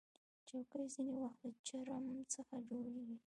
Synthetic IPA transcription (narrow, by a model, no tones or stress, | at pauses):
t͡ʃawkəjzinewaxt̪lət͡ʃaɾamt͡səxad͡ʒoɽeɡi